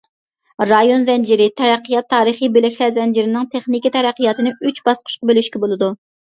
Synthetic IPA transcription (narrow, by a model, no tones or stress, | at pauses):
ɾɑjonzɛnd͡ʒiɾɪt̪ʰɛɾæqʰːijɑt̪ʰːɑːɾɨχijbelɛkʲlæɾzɛnd͡ʒiɾɪnɪŋt̪ʰeχnikʲit̪ʰɛɾæqʰːijɑt̪ʰɨnɪyt͡ʃbɑsqʰʊ̥ʃqɑbelyʃkʲɛbolˠɨd̪u